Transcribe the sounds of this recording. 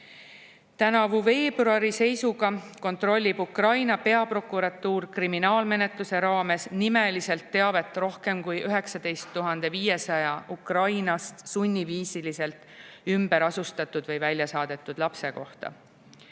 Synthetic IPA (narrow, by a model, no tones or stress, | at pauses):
t̪ænɑvuve̞ːbruɑɾise̞jsuɡ̥ɑko̞nt̪ˑro̞lʲːib̥ukrɑjnɑpe̞ɑpro̞kːˑuɾɑt̪ːˑuːrkriminɑːlme̞ne̞t̪luse̞ɾɑːme̞snime̞lise̞lt̪ːe̞ɑve̞t̪ːˑro̞hke̞mkujʔyɦe̞ksɑd̪̥e̞jst̪ːuɦɑnd̪̥e̞viːje̞sɑjɑʔukrɑjnɑst̪sunʲːiviːsilise̞lt̪ˑymbe̞ɾɑsust̪ɑt̪ːˑud̪̥vɤjvælʲjɑsɑːd̪̥e̞t̪ːˑud̪̥lɑpse̞ko̞ht̪ɑ̰